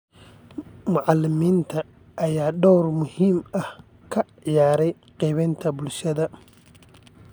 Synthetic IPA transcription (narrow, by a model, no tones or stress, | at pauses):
mʊʕɑlːɪmiːnt̪ʰɐ | ʔːjaːɖɔwrmʊhiːmɐh | kʰɐʕɪjaːɾɛj | qɛβɛnt̪ʰɐbʊlʃɐðɐ